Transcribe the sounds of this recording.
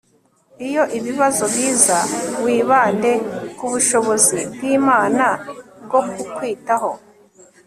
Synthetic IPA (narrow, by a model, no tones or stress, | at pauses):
ijo̞ʔiβiβazobjiːzawiːβaːnde̞kuβuʃo̞βo̞zib̚ɡiːmaːnab̚ɡo̞kukwiːtaɦo̞